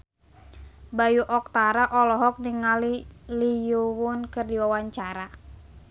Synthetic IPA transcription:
bajuʔɔk̚t̪aɾaʔɔlɔɦɔk̚niŋalilijuwʊnkɨrdiwawaɲt͡ʃaɾa

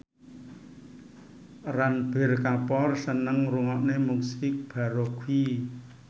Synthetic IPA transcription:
ranb̥e̤rkapɔrsənəŋɾuŋɔʔnemuksɪk̚b̥a̤ɾokʰwi

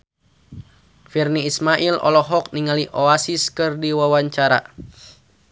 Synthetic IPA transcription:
firniːsmaʔilɔ̰lɔɦɔk̚niŋaliʔɔasiskɨrdiwawaɲt͡ʃaɾa̰

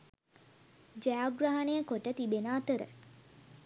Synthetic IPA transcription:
d͡ʒɛaɡɾaːɦanejəkoʈət̪ibenaːt̪əɾə̰

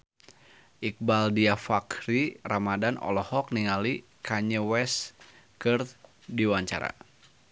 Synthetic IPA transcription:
ʔik̚baldiafakɾiramadanɔ̰lɔhɔk̚niŋali | kʰaɲəwɛs | kɨr | diwaɲt͡ʃa̰ɾa̰

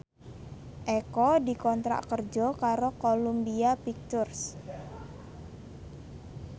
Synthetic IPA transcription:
ʔɛkɔdikɔnt̪ɾa̰ʔkərd͡ʒɔ̤kaɾokolumbiapik̚t̪ʊrs

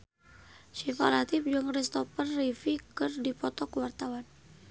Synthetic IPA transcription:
ʃifalat̪ifd͡ʒuŋrɛst̪ɔpərːifikɨrdipɔt̪ɔkəwart̪awan

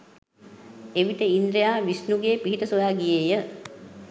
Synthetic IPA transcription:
eʋit̪əind̪ɾejaːʋisnuɡeːpiɦit̪əsojaːɡijejə

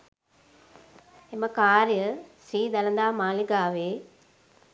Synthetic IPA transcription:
eməkaːɾjəsiːd̪ɐlɐ̃nd̪aːmaːliɡaːʋeː

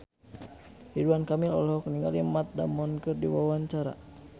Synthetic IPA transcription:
hiduankamilɔ̰lɔɦɔkniŋɡalimat̪̚da̰mɔnkɨrdiwawaɲt͡ʃaɾa̰

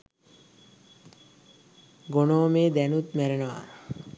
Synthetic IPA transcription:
ɡonoːmeːd̪ænut̪mæɾenoʋa̰

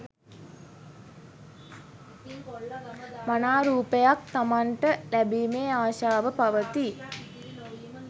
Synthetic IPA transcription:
manaːɾuːpejak̚t̪amaɳʈəlæbiːmeːaːʃaːʋəpaʋət̪i

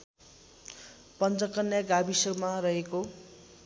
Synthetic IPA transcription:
pʌnt͡sʌkʌnːjaɡabisʌɡmarʌɦeko

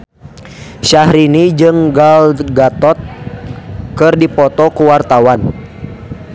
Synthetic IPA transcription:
ʃahɾinid͡ʒɨŋɡalɡat̪ɔt̪̚ | kɨrdipɔt̪ɔkuwart̪awan

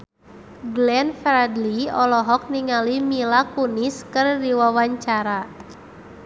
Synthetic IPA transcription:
ɡlɛnfɾadliɔlɔɦɔk̚niŋalimilakuniskɨrdiwawaɲt͡ʃaɾa

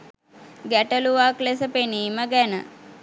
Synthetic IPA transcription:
ɡæʈəluʋaklesəpeniːməɡænə̰

